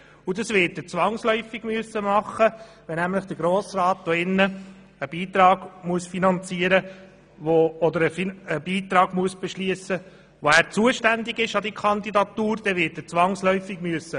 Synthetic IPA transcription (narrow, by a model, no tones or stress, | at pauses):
udɑsʋɪtɛt͡sʋɑŋslœʏfɪɡ̥myəsːəmɑχːəvʋɛnæmləχd̥əɾɡɾoːsɾɑːt̚d̪oɪnːə | əb̥iːt̪ɾɑːɡ̥muəsfinɑnt͡siəɾə | ʋoɔd̪əɾəfiəb̥iːt̪ɾɑːɡmuəsb̥ɛʃliəsə | ʋoæːɾt͡suəʃtænd̪ɪɡɪʃɑd̥̪ikʰɑnd̪idɑt̪uːɾd̥̪ɛʋɪɾtɛt͡sʋɑŋslœʏfɪɡ̥myəsːə